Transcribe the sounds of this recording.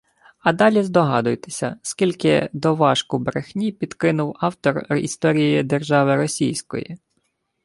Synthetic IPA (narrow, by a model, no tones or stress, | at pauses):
ɐd̪ɑlʲizd̪ɔɦɑd̪ʊjt̪e̥sʲɐ̰skʲilʲkɪ̰d̪ɔʋɑʃkʊbɾexnʲipʲid̪kɪnʊwɑwt̪ɔrḭst̪ɔɾʲijjid̪erʒɑʋɪɾɔsʲijsʲkɔ̰jḭ